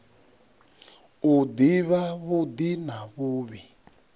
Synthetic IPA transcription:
ud̪iβaβud̪inaβuːβi

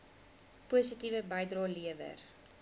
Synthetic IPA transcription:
puəsitivəbəjdrɑːliəvə̰r

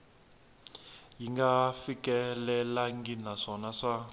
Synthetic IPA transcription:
jiŋɡafikʼɛlɛlaŋɡinaʂɔnaʂa

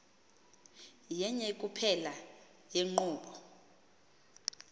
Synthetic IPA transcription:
jɛɲɛikʼupʰɛla | jeŋ͡ǃuːɓɔ

